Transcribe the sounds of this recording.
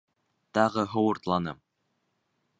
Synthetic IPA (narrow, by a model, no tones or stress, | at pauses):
t̪ɑʁɤɦŏwŏɾt̪lˠɑnɤm